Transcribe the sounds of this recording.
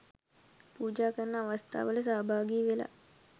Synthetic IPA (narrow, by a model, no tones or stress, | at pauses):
puːd͡ʒaːkərnəaʋast̪ʰa̰ːʋələsaːbʱaːɡiːʋela̰